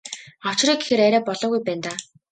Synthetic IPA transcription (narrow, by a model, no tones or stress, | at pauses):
ɔw̥t͡ɕ̆riːɡexĕɾæɾʲæːpɔɮɔːɣujpæːnt̪aː